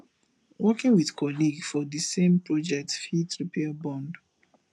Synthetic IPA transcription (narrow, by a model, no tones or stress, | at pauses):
wɔkĩŋwiðkʰɔliɡfɔðisẽmpʰɹɔd͡ʒɛk̚tfitɹipʰɛbɔ̃nd